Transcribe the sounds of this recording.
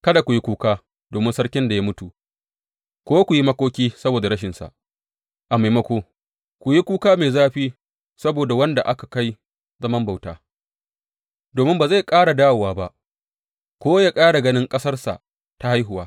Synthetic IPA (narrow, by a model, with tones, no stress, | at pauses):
kɐ˦da˨kʷu˨ji˦kʷuː˦kaː˦ | doː˨mɪ˦nsɐ˦ɽkʲɪ˦nda˨jaː˦mʊ˦tu˨ | kʷoː˦kʷu˨ji˦mɐ˦kʷoː˦kʲiː˦sɐ˦boː˨da˨ɽɐ˦ʃ̬ɪ˨nsa̰˨ʔ | ʔa˨ma˨jmɐ˦kʷoː˦ | kʷʊ˨ji˦kʷuː˦kaː˦meː˨zaː˦ɸiː˦ | sɐ˦boː˨da˨wɐ˦nda˨ʔa˦kḁ˨ka˦j | zɐ˦mɐ˦mba˨wta̰ː˦ | doː˨mɪ˦mbaː˨za˦˨jkʼaː˦ɽa˨daː˦wwaː˦ba˦ʔ | kʷoː˦jaː˦kʼaː˦ɽa˨ɡɐ˦nɪ˦ŋkʼɐ˦sɐ˦rsa̰˨ | ta˦ha˦jɦʊ˨waː˦